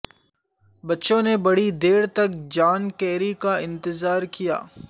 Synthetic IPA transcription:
bɐtːʃõnebɐɽid̪eːɽt̪ɐk̚d͡ʒaːnkɛːɾikaɪ̃nt̪ɪzaːɾkija̰ː

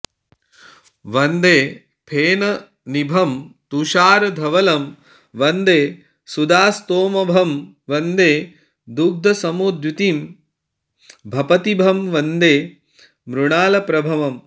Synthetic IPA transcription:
ʋɐnd̪eː | pʰeːnɐ | nibʱɐmt̪uʃaːɾɐd̪ʱɐʋɐlɐm | ʋɐnd̪eː | sud̪aːst̪oːmɐbʱɐm | ʋɐnd̪eː | d̪uɡ̚d̪ʱɐsɐmoːd̪jut̪iːm | bʱɐpɐt̪ibʱɐmʋɐnd̪eː | mɾuɳaːlɐpɾɐbʱɐʋɐm

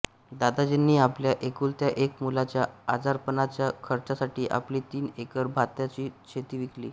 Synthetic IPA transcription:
d̪ad̪ad͡ʑenːiːapljaʔekuːlt̪jaʔekmulat͡ɕjaːd͡zaɾpənat͡ɕjakʰəɾt͡sasaʈiːʔa̰pliːt̪iːnekəɾbʱat̪jat͡ɕiːt͡ɕʰet̪iːʋiklḭː

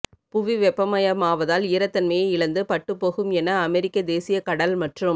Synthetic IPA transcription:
pʊʋiʋɛpːɐmɐjɐmaːʋɐðaːlɪːɾɐt̪ːɐnmɐjɐɪɭɐnd̪ɯpɐʈːɯpːoːɣɯmɛnɐːmɛɾɪkːɐd̪eːsɪjɐkɐɽɐlmɐʈrɯm

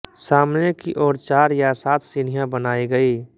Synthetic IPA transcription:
saːmnekiʔɔːɾt͡ʃaːɾjasaːt̪ʰsɪɽ̤ijãbənaːiɡəi

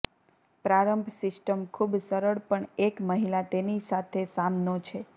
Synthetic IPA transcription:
pɾaɾəmbʱsɪsʈəmkʰubsəɾəɭpəɳekməɦilat̪enisat̪ʰesamnot͡ʃʰe

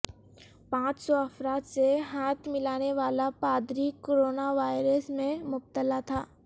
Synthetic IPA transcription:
pãːt͡ʃsɔɐfɾaːt̪seɦaːt̪ʰmɪlaːneʋaːlapaːd̪ɾikoːɾoːnaʋaːɪɾəsmẽmʊb̚t̪əlat̪ʰaː

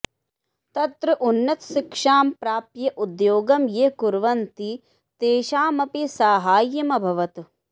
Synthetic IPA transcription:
t̪ɐt̪ɾɐʔunːɐt̪ʃikʂaːmpɾaːpjɐʔud̪joːɡɐmjekuɾʋɐnt̪i | t̪eːʃaːmɐpisaːɦaːjːɐmɐbʱɐʋɐt̪

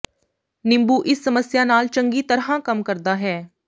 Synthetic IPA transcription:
nɪ̃mbuːʔɪsːəməsjaːnaːlt͡ʃəŋɡiːt̪əɾɦãːkəmkəɾd̪aːɦɛː

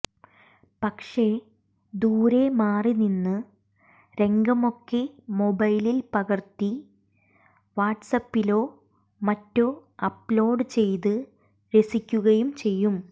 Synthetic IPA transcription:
pɐkʂe̞ | d̪uːɾe̞maːrininːɨ | ɾe̞ŋɡɐmo̞kːemo̞bɐjlilpɐɣɐrt̪i | ʋaːʈsɐpːilo̞ː | mɐtːo̞ːɐpːlo̞ːɖɨt͡ɕe̞jt̪̬ɨ | ɾe̞sikʲːuɣɐjumt͡ɕe̞jːum

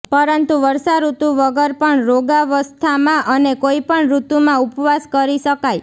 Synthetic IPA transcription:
pəɾənt̪uʋəɾsaɾut̪ũʋəɡəɾpəɳɾoɡaʋəst̪ʰamãʔənekoipəɳɾut̪umãupʋaskəɾiʃəkaj

